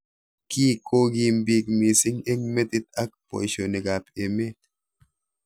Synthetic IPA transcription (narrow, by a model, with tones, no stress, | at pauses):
kiː˦kʰo˦ɡi˦˨mbi˦kmi˨si˦ŋe˦ŋme˦t̪i˦t̪a˦k̚po̰˨ʃo˨ne˨ɡa˨pe˨me˦